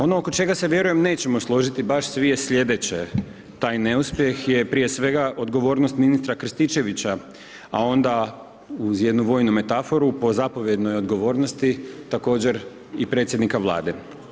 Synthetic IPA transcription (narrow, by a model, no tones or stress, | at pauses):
o̞no̞ːko̞t͡ʃe̞ɡaseʋje̞ɾuje̞mne̞ːt͡ɕe̞moslˠo̞ʒit̪ibaʃsʋije̞sʎʲe̞d̪e̞t͡ɕe | t̪aːjne̞uspje̞xje̞pɾije̞sʋe̞ɡaʔo̞d̪ɡo̞ʋo̞ːɾnost̪minist̪ɾakɾ̩st̪it͡ʃe̞ʋit͡ɕa | a̰o̞nd̪a | uzje̞d̪nuʋo̞ːjnume̞t̪afo̞ɾupo̞zapo̞ʋje̞d̪no̞jo̞d̪ɡo̞ʋo̞ːɾnost̪it̪ako̞ːd͡ʑe̞ɾ | ipɾe̞t̪sʲjed̪nikaʋlˠa̰ːd̪e̞